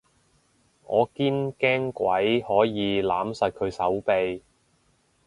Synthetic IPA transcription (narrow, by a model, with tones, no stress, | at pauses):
ŋɔː˨˧kiː˥nkɛː˥ŋkʷwɐ˨˥jhɔː˨˥jiː˨˧laː˨˥msɐ˨t̚kʰɵ˨˧ɥsɐ˨˥wpe˧j